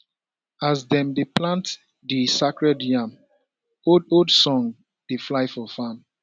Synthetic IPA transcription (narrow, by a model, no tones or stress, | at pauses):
azdɛ̃mdeplãnt | disakɹɛdjãm | ododsɔ̃ŋ | d̥eflaɪfɔfãm